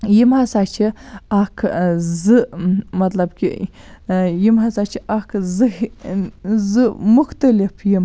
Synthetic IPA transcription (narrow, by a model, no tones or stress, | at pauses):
jimɦasat͡ʃʰiakʰzɨmɐt̪lɐbkʲḭ | jimɦɐsat͡ʃʰiʔakʰzɨ | zɨmuxt̪ɐlipʰjim